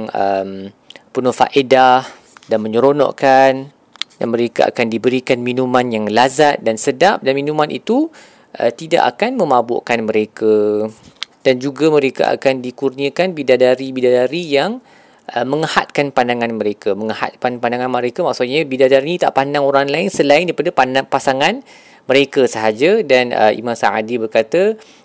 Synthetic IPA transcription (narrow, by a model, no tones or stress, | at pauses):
ŋəm | pənɔhfa̰ʔedah | danmə̃ɲəɾonɔ̰ʔkan | danmə̃ɾekaʔa̰kandibəɾikanmĩnũmãnjaŋlazat̪̚dansədap̚danminũmãnʔḭt̪u | ʔə̰t̪ida̰ʔa̰kanmə̃mabo̰ʔkanmə̃ɾeka | d̥and͡ʒuɡamə̃ɾeka̰ʔa̰kandikurniəkanbidadaɾibidadaɾijaŋ | ʔəmə̃ŋəha̰t̪̚kanpandaŋãnməɾekaməŋəha̰t̪̚kanpandaŋanməɾekamaksuɲãbidadaɾinit̪a̰ʔpandaŋoɾaŋlaɪnsəlaɪndaɾipadapanapasaŋãn | məɾekasəɦad͡ʒadanə̰ʔḭmãsa̰adibərkat̪a